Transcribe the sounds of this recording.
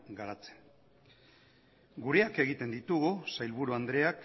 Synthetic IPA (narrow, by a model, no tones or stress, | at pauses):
ɡaɾat͡se̥n | ɡuɾe̞ake̞ɣit̪e̞nd̪it̪uɣusajlβuɾuand̪ɾe̞ak